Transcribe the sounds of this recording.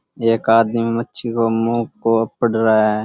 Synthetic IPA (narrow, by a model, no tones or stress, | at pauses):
eːkaːd̪mimẽmətːʃʰikomũːkoəpəɽɾaa